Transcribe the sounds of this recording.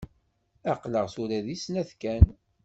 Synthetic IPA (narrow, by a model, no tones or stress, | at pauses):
æqləʁsuɾæðisnæθkæn